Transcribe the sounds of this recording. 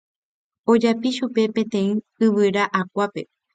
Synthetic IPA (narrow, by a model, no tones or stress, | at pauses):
o̞d͡ʒapiʃupe̞pẽ̞t̪ẽ̞ĩ | ɨʋɨɾaʔak̚ʷape̞̰